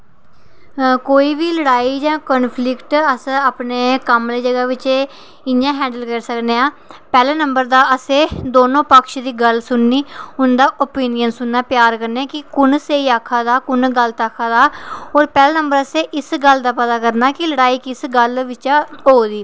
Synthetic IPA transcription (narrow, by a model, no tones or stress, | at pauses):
koːiːʋiːləɽaːiːd͡ʒãːkənpʰlɪkʈəsaːpneːkəmleːd͡ʒəɡaːʋɪt͡ʃeː | ɪjãːɦɛ̃ːɳɖəlkəɾsəkneːaː | pɛːlaːnəmbəɾd̪aːəsẽːd̪oːnõːpəkʃd̪iːɡəlsʊnːiːʊnd̪aːʔoːpiːnijənsʊnːaːpjaːɾkəɾneakɪkʊnseːiːaːkʰːaːd̪aːkʊnɡəlt̪aːkʰaːd̪aːoːɾpɛːlaːnəmbəɾəsẽːʔɪsɡəld̪aːpət̪aːkəɾnaːkɪləɽaːiːkɪsɡəlʋɪt͡ʃaɦoːd̪iː